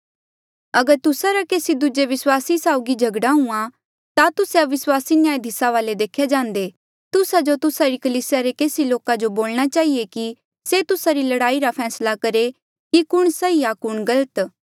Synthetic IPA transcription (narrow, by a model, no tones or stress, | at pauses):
ɐɡəɾt̪ʊsaɾakeːsid̪ud͡ʒeʋɪswaːsisaːʊɡid͡ʒʱɐɡɽaɦʊ̃ã | t̪at̪ʊsaʋɪswaːsinɪjaːed̪ʱɪsaʋaːled̪eːkʰjad͡ʒãːnd̪e | t̪ʊsad͡ʒot̪ʊsaɾikɐliːsɪjaɾekeːsiloːkad͡ʒoboːlɽ̃at͡ʃaːɦieki | set̪ʊsaɾilɐɽaːiɾapʰɛːslakɐɾe | kikʊɽ̃sɐijakʊɽ̃ɡɐlət̪